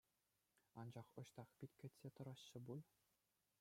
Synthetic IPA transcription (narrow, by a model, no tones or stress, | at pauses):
ɑnd͡ʑɑχɤ̆ɕt̪ɑχpʲitʲkʲɘ̆tʲsʲet̪ɤ̆ɾɑɕːɤ̆bulˠ